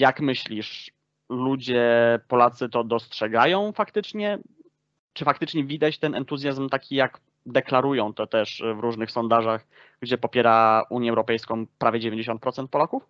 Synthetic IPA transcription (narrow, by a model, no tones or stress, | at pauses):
jakmɘɕlʲiʂ | lud͡ʑɛpɔlat̪sɘt̪ɔd̪ɔstʂɛɡajɔ̃w̃fakt̪ɘt͡ʂɲɛ | t͡ʂɘfakt̪ɘt͡ʂɲɛvʲid̪at͡ɕt̪ɛnɛ̰nt̪uzʲjazmt̪akʲijak | d̪ɛklaɾujɔ̃w̃t̪ɔt̪ɛʂvɾuʐnɘxsɔnd̪aʐax | ɡd͡ʑɛpɔpʲjɛɾaʔuɲjɛwɾɔpɛjskɔ̃w̃pɾavʲjɛd͡ʑevʲeɲd͡ʑeɕɔnt̪̚pɾɔt̪sɛnt̪̚pɔlakuf